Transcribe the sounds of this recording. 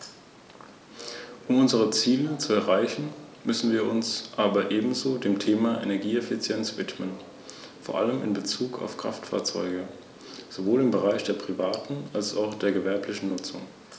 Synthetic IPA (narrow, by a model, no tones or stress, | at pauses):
ʔʊmʊnzəʁ̞ət͡siːlət͡suɛɐʁaɪçn̩ | mʏsn̩viːɐʊnsʔaːbɐʔeːbm̩zoːdeːmtʰeːmaʔḛnɛɐɡiːɛfɪt͡sjɛnsv̥ɪtmən | foːɐʔa̰ləmɪ̰nbət͡suːkʰa̰ʊfkʁ̥a̰ftfa̰ɐt͡sɔ̰ʏɡə | z̥ovoːlɪmbəʁaɪçd̥eːɐpʁ̥ivaːtn̩alsa̰ʊxd̥eːɐɡəvɛɐplɪçn̩nʊt͡sʊŋ